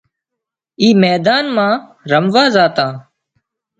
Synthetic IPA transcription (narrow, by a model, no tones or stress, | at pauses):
iːmɛːd̪aːnmãːɾəmʋaːzaːt̪ãː